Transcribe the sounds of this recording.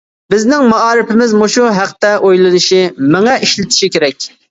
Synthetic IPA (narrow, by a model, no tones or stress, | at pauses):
bɪznɪŋmɑɑːɾɪpɪmɪzmoʃuɦæqt̪ɛʔojlˠɨnɨʃimɪŋɛʔiʃlɪt̪ʰɪ̥ʃikʲeɾɛkʲ